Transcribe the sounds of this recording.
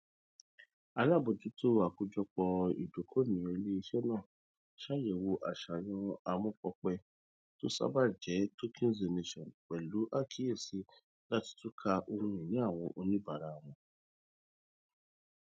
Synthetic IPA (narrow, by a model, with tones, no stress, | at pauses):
a˧la˦˨bo˨d͡ʒu˨˦to˦˨a˨ku˧d͡ʒɔ˧k͡pɔ˧ḭ˨do˨˦kʰo˦nĩ˨ɔ̃˨i˧le˦i˧ʃɛ˦nãː˦˨ | ʃa˦jɛ˨wo˧ʔa˨ʃa˨jɔ̃˧a˧mũ˧fɔ˧k͡pɛ˧ | to˦sa̰˦ba˦d͡ʒɛ˨˦to˦kʰĩ˦n˦ze˨ne˧ʃɔ̃˨nk͡pɛ˨lu˨˦ʔa˦˨kʰi˦je˦˨si˧˦ | la˦ti̥˧tu˦kʰa˧ʔo˧ɾũ˧ĩ˨nĩ˨˦a˦˨w̃ɔ̃˧ʔo˧nĩ˦ba˨ɾa˧˨w̃ɔ̃˧